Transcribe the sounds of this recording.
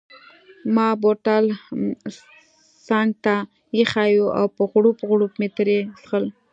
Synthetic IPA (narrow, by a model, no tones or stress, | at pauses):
mɑboɾʈ̪al | sɑŋɡ̚t̪a | jexajua̰wpəɣɽupəɣɽupmet̪əɾesxəl